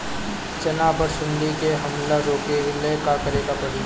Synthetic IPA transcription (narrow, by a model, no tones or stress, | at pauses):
t͡ʃɐnaːpəɾʃʊ̃nd̪ikeɦɐmlaɾoːkeɪlekakəɾeːkapɐɽɪ